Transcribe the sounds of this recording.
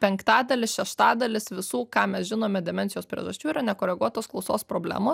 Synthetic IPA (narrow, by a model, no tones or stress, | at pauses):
pʲɛŋkt̪ɑːd̪ɐlʲɪʃʲɛʃt̪ɑːd̪ɐlʲɪsʋʲɪsuːkɑːmʲɛsʒʲɪnoːmʲɛd̪ʲɛmʲɛnʲsʲɪjoːspʲɾʲḭɛ̰ʒɐsʲt͡ʃʲuːiːɾɐnʲɛkoːɾʲɛɡuɔt̪oːsklˠɒʊsoːspɾoːbʲlʲæ̰ːmoː